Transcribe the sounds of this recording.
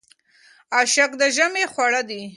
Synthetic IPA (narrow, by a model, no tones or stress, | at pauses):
aʃakd̪əʒamexwaɽad̪i